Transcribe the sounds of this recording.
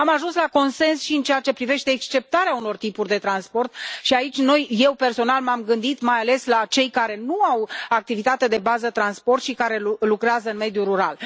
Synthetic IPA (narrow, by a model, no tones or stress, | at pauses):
amaʒunslako̞nse̞nsʃiɨnt͡ʃejat͡ʃe̞pɾive̞ʃt̪e̞ːkst͡ʃe̞p̚t̪aɾeauno̞rt̪ipurʲd̪e̞t̪ɾanspo̞rt̪ʃiait͡ʃʲno̞jje̞wpe̞rso̞nalmamɡɨnd̪it̪majale̞slat͡ʃe̞jkaɾe̞nuawak̚t̪ivit̪at̪ed̪e̞bazət̪ɾanspo̞rt̪ʃikaɾe̞lukɾeazəɨnme̞d̪juɾuɾal